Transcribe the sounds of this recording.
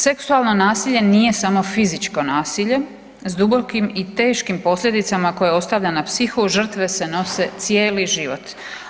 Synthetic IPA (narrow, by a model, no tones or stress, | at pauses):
se̞ksualˠno̞naːsiʎe̞nije̞samo̞fizit͡ʃko̞naːsiʎe̞ | zd̪ubo̞kimit̪eːʃkimpo̞slʎʲe̞d̪it̪samako̞jeo̞st̪aʋʎanapsixuʒr̩t̪ʋe̞se̞no̞se̞t̪sje̞ːliʒiʋo̞̰t̪